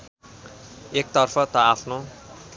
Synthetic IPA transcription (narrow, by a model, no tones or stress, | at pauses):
ek̚t̪ʌrpʰʌt̪ʌapʰno